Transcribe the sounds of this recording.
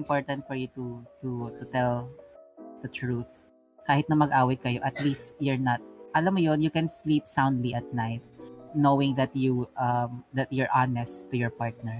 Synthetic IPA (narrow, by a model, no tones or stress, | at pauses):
mpoɹt̪ɐ̃nt̪fɔɹjut̪ut̪ut̪ʊt̪ɛl | d̪̥ɐt̪ɹuθ | kaːhɪt̪nɐmɐɡʔaːwɐkɐjoʔɐt̪list̪jɛɹnɐt̪̚ʔɐlamːojonjʊkɛ̃nslip̚sãw̃nd̪liʔɐt̪̚naɪt̪̚nowɪŋd̪ɐt̪juʔɐmd̪ɐt̪̚jʊɹʔanɛst̪ːʊjɔɹpaɹt̪̚nɛɹ